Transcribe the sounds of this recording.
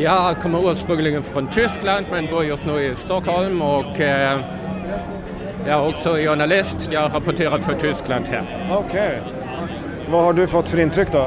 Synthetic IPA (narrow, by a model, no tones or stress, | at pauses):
jɑkʰɔmːəʉːspʁʉŋlɪɡənfɾɔnt̪ʰʏskland̪mɛnboːd̪əjɔst̪noːɪst̪ɔkhɔlmɔɡ | jɑːɾɔksɔɪjʊɳɑlɪst̪jɑæɾɑpɔt̪ʰeːɾɑd̪fɔt̪ʰʏskland̪hæ̰ːɾ | ɔkʰɛɪ | vɑhaɖɵfɔt̪ːfœɾɪnt̪ʰɾʏkːd̪ɔ